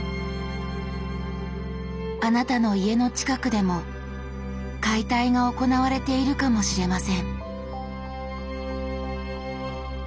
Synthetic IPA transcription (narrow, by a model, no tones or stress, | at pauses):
anat̪ano̞ie̞no̞t͡ɕi̥kakɯ̟d̪e̞mo̞ | kait̪aiɡao̞ko̞naβaɾe̞t̪e̞iɾɯ̟kamo̞ɕiɾe̞masẽ̞ɴ